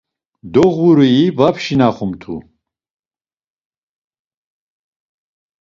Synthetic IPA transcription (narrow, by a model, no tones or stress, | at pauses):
d̪ɔʁuɾuivapʰʃinaχumt̪ʰṵ